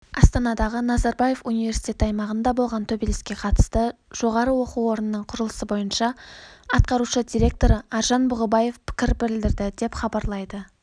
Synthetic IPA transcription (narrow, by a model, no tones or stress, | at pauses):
ɑst̪ɑnɑd̪ɑʁənɑzɑɾbɑje̞funijve̞ɾsi̥jt̪ʲe̞t̪ɑjmɑʁənd̪ɑbo̞lˠʁɑnt̪ʰɵbelʲeskʲe̞qʰɑt̪ə̥st̪əʒ̥o̞ʁɑɾəwo̞quwo̞ɾənənəɴqʰʊɾəlˠə̥səbo̞jənʃɑɑt̪̚qɑɾuʃəd̪ʲiɾe̞k̚t̪o̞ɾəɑɾʒɑnbʊʁəbɑje̞fpʰɪ̥kʲɪɾbɪɾɪld̪ɪɾd̪ɪd̪e̞pχɑbɑɾlˠɑjd̪ə